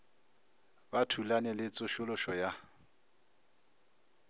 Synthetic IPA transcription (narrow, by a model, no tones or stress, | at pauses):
batʰulanɛlɪt͡sʼʊʃʊlʊʃɔja